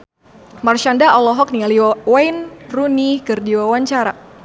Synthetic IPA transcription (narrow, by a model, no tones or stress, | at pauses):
marʃandaɔlɔɦɔk̚nialiwajnrunikɨrdiwawaɲt͡ʃaɾa̰